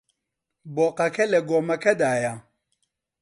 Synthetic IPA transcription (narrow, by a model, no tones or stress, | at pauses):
bɔqakɛlɛɡɔmakɛdaja